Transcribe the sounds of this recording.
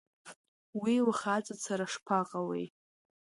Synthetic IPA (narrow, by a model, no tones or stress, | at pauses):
wiwχat͡sʼat͡sʰaɾaʂpʰaqʼawḛj